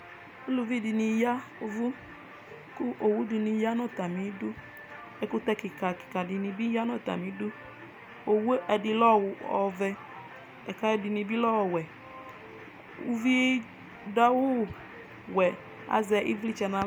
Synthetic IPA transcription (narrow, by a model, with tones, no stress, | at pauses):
o˦lu˨vi˦˨di˧ni˧ja˦u˧vu˦ | ku˦ʔo˨wu˦di˧ni˧ja˦nɔ˦˨ta˨mi˨˦du˦ | ɛ˧ku˦tɛ˧ki˨ka˨ki̥˨ka˨di˧ni˧bi˦ja˦nɔ˦˨ta̰˨mi˨˦du˦ | o˨wo˦ʔɛ˧di˧lɔ˦˨wɔ˨vɛ˧ | ɛ˨ka˨˧ɛ˧di˧ni˧bi˦lɔ˦wɔ˨wɛ˨ | u˧vi˦e˦ | da˦wu˦˨ | wɛ˨ | a̰˨zɛ˧ʔḭ˦vi˦t͡ʃɛ˧na˧